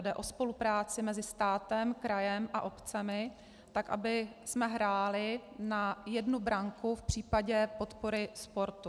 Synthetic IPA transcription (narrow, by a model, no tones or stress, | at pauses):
dɛʔo̞spo̞lupɾaːt͡sɪmɛzɪst̪aːt̪ɛmkɾajɛmʔaʔo̞pt͡sɛmɪ | t̪akʔa̰bɪsmɛɦɾaːlɪnajɛdnubɾaŋkufpr̝̥iːpaɟɛpo̞t̪po̞ɾɪspo̞ɾt̪u